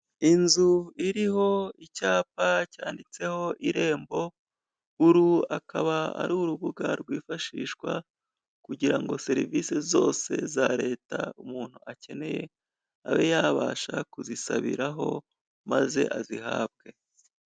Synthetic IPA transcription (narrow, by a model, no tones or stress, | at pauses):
inzuiɾiho̞icaːpacaːndit͡se̞ho̞ʔiɾe̞ːmbo̞ | uɾuakʰaβaa̰ɾuuɾuβuɡaɾɡwiːfaʃiːʃkwa | kuɟiɾaŋɡo̞se̞ɾiviːse̞zo̞ːse̞zaɾe̞ːtaumuːn̥huace̞ne̞je̞ | aβe̞jaβaːʃakuzisaβiɾaɦo̞ | maze̞̰ʔazihaːb̚ɡe̞